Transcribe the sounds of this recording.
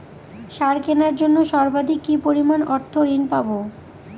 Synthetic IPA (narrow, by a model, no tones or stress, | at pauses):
ʃaɾkenaɾd͡ʑonːoʃɔɾbad̪ʱikːipoɾimanɔɾt̪ʰoɾinpabo